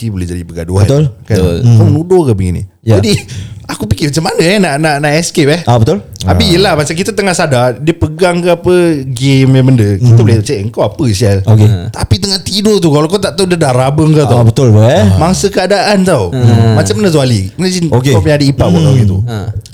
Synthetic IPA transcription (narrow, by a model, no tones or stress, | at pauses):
dibulɛd͡ʒadipəɡa̰duat̪lkakawmənudokabəɡḭnḭ | d͡ʒadiakupikɪmat͡ʃamanəɛnaʔnaʔnaʔɛskep̚ɛhabət̪ʊlabijəlahmasak̬it̪at̪̬əŋahsadadiəpəɡaŋkaapəɡemjabəndəkit̪əbulet͡ʃaəŋkawapəsiaoket̪apit̪əŋaht̪idot̪̬ukalawkawt̪aʔt̪awdədaɾabəŋkat̪abət̪ʊlkəmaŋsəkəadaʔant̪awmat͡ʃamanəs̬ualinasinokeɔpjãŋadəipapat̪awɡit̪ṵ